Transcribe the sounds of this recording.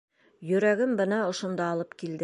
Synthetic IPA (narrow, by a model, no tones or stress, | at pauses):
jɵ̆ɾæɡɘmbɤ̆nɑŏʃŏnd̪ɑːlˠɤpkild̪ɘ